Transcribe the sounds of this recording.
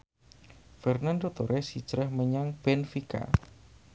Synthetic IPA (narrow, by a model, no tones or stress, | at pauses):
fɛrnandot̪oɾʔɛsi̥t͡ʃɾɛhməɲaŋb̥ɛnfika̰